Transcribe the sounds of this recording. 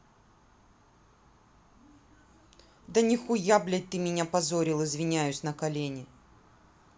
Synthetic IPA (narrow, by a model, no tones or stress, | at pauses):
d̪ɐnʲɪxʊjablʲɛt̪ɨmʲɪnʲapɐzoɾʲɪlˠɨzvʲɪnʲajʉsʲnɐkɐlʲenʲɪ